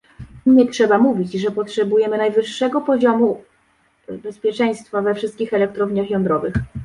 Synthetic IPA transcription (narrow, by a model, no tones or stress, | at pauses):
ɲɛtʂɛbamuvʲit͡ɕʐɛpɔtʂɛbujɛmɘnajvɘʂːɛɡɔpɔʑɔmu | bɛspʲjɛt͡ʂɛj̃st̪favɛfʂɘst̪kʲixɛlɛk̚t̪ɾɔvɲaxjɔnd̪ɾɔvɘx